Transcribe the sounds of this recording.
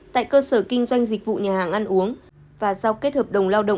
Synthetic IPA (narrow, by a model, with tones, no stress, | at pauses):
t̪a̰ː˧˨jkəː˧səː˧˩kï˧ŋ̟zwa˧jŋ̟zi˨˩k̟̚vṵ˧˨ɲaː˨˩haː˨˩ŋʔa˧nʔu˨˦əŋ | vaː˨˩sa˧wke˦˥t̚həː˨˩p̚ɗə˨˩wŋ͡mlaː˧wɗə̰˧˨ŋ͡m